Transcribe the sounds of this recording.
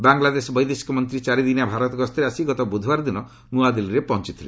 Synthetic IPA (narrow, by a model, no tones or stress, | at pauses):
baŋlad̪esɔbɔjd̪esi̥kɔmɔnt̪ɾit͡ʃaɾid̪inabʱaɾɔt̪ɔɡɔst̪ʰɔɾeasiɡɔt̪ɔbud̪ʱwaɾd̪inɔ | nuad̪iliɾepɔɦɔnt͡ʃit̪ʰile